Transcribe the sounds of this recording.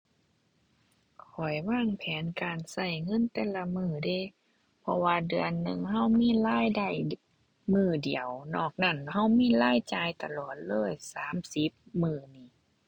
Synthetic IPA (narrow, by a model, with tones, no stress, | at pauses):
kʰɔ˨˩jwaː˧˥˩ŋpʰɛː˨˦nkaː˨nsa˧˩jŋɤ˧˥˨nt̪ɛː˧˦˨la˧mɯː˧˩de˧˩ | pʰɔ˧waː˧dɯ˨ənːɯ˧˩ŋɦa˧˩˨wmiː˧˥˨laː˧˥˨jda˧˩j | mɯː˧˩di˨˩əwnɔː˧˩k̚na˧˩˨nha˧˥˩wmiː˧˥˨laː˧˥˨jt͡ɕaː˧jt̪a˧lɔː˨˩t̪̚lɤː˧˥˨jsaː˨˦msi˧˦p̚mɯː˧˩niː˧˩˨